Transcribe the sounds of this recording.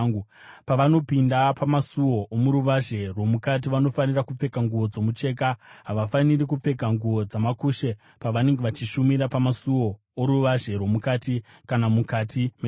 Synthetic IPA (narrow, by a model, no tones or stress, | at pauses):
u | paʋano̞pindapʰamasuwo̞ʔomuɾuʋaʒe̞rwo̞mukat̬iʋano̞fanirakup͡fe̞kaŋɡuʋo̞d͡zo̞mut͡ʃe̞ːk̬aɦaʋafanirikup͡fe̞kaŋɡuʋo̞d͡zamakuːʃe̞ | paʋane̞ŋɡeʋat͡ʃiʃumiɾapamasuwo̞ | oɾuʋaʒe̞rwo̞mukati | kanamukatʰime